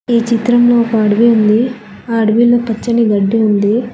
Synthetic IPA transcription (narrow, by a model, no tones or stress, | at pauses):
iːt͡ʃit̪ɾɐmloːkɐɐɽuʋiund̪i | aːɐɽuʋiloːpɐt͡ʃːɐniɡɐɖːiund̪i